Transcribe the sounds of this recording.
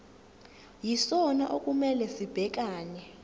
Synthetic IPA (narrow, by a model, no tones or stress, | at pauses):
jisɔnaʔok̬ʼumɛlɛsib̥ʱɛk̬aːɲɛ